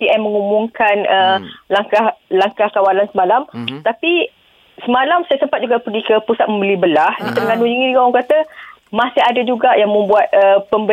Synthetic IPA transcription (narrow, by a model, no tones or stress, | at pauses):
piʔamːə̃ŋumũŋkanəlaŋkahlaŋkahkawalansəmalamt̪api | səmalamsajasəmpat̪̚d͡ʒuɡapəɡikəpusat̪̚məmbəlibəlahdit̪əɾŋanud͡ʒiŋiuɡaɔŋkat̪ə | mãsɪɦadad͡ʒuɡaʔjaŋmə̃mbuat̪̚ʔəpəmbə